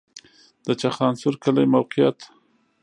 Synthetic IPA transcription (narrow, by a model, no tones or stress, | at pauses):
d̪̥ət͡ʃaxɑnsʊɾkəlajmawqɪjat̪